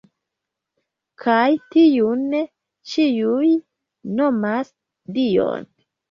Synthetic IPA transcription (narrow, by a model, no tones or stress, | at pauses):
kʰajtiun | t͡ʃijuj | no̞mas | dio̰n